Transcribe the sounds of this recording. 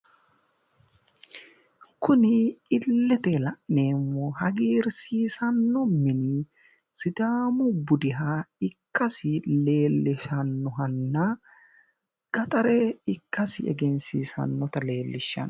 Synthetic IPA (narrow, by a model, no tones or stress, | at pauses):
kʊnɪɪlːɛt̪ɛlɐʔneːmːoːɦɐɡiːɾsiːsɐnːɔmɪnɪ | sɪd̪aːmʊbʊd̪ɪɦaːɪkːɐsɪle̞ːlːɪʃɐnːɔɦɐnːa | ɡ̥ɐt̪ʼɐɾeːɪkːɐsɪʔɛ̰ɡɛnsiːsɐ̰nːɔt̪ɐle̞ːlːɪʃːɐ̰n